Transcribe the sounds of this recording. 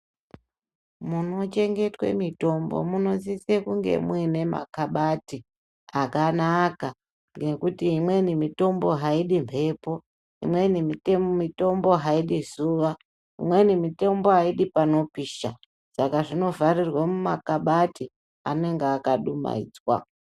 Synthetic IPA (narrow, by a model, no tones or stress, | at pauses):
muno̞t͡ʃe̞ŋɡe̞twe̞̰mito̞mbo̞̰muno̞zisekuŋɡe̞̰muwine̞ma̰kaɓati | akanaka | ŋɡe̞kutiːmwe̞nimito̞mbo̞ɦaiɗimpʰe̞ːpo̞ | ḭmwe̞nimitemito̞mbo̞ɦaiɗizuʋa | imwe̞nimite̞mbo̞aiɗipano̞piːʃa | sakaʐino̞varirwamumakaɓati | a̰ne̞ŋɡeakaɗuma̰ḭd͡zwa̰